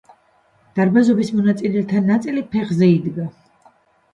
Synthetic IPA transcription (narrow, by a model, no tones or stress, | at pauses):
d̪̥aɾbazɔbismɔnat̪sʼilɛt̪ʰanːat̪sʼilipʰɛχzɛid̪ɡa